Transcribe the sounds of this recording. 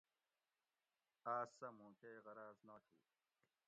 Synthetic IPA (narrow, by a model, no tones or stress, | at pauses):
aːsːɐmũːkeːɣɐɾaːznatʰḭː